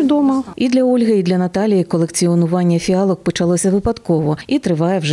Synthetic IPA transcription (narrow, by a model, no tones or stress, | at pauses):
d̪ɔmɐid̪lʲɐɔlʲɦeid̪lʲɐnɐt̪ɑlʲijikɔlˠekt͡sʲiɔnʊʋɑnʲːɐfʲiɑlˠɔk̚pɔt͡ʃɐlˠɔsʲɐʋɪpɐd̪kɔʋɔit̪ɾɪʋɑjɛwʒ